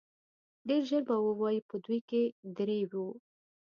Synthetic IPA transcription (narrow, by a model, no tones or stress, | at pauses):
ɖeɾʒəɾbawəwɑjipəd̪ujked̪ɾewu